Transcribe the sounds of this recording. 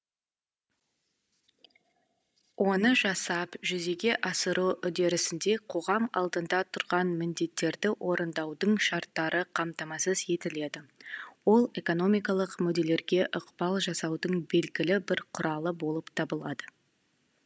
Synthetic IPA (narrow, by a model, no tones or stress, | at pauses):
wʔo̞nəʒɑsɑpʒʏze̞ɡʲe̞ʔɑsəɾuwʏd̪e̞ɾɪsɪnd̪e̞qʰo̞ʁɑmɑ̰lˠd̪ənd̪ɑt̪ʰʊɾʁɑnmɪnd̪e̞t̪ːe̞ɾd̪ɪwʔo̞ɾənd̪ɑwd̪əɴʃɑɾt̪ːɑɾʔəqʰɑmt̪ɑmɑsəze̞t̪ɪle̞d̪ɪwo̞lˠe̞ko̞no̞mijkɑlˠəqmʏd̪e̞le̞ɾɡʲe̞ʔʊqbɑlˠʒɑsɑwd̪əɴbe̞lɡʲɪlɪbɪɾqʰʊɾʔɑlˠəbo̞lˠəpt̪ʰɑbəlˠɑd̪ə